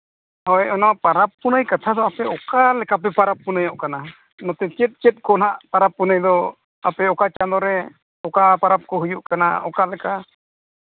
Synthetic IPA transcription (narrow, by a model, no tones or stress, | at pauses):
ɔjɔnapaɾapːunəjkat̪ʰad̪ɔapɛɔkalɛkap̬ɛpaɾapːunəjɔʔkana | nɔ̃t̪ɛt͡ʃɛt̪̚t͡ʃɛt̪̚ˀkɔnɦaʔpaɾapːunəjd̪ɔ | apɛɔkat͡ʃand̪ɔɾɛ | ɔkapaɾap̚kɔɦujuʔkana̰ɔkalɛka